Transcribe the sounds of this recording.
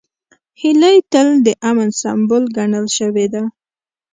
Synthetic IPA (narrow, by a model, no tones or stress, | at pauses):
hɪləjt̪əld̪əʔamənsa̰mbolɡaɳəlʃəwed̪a